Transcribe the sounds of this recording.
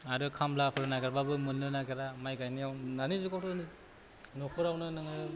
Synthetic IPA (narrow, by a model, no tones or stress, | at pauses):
aɾɯkʰamlapʰɯɾɯnaɡaɾbabɯmɯnːɯnaɡaɾamajɡajniawnanizukawtʰɯni | nɔpʰɯɾawnɯnɯŋɯ